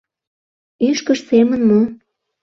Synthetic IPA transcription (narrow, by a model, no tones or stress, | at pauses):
yʃkəʃsemənmo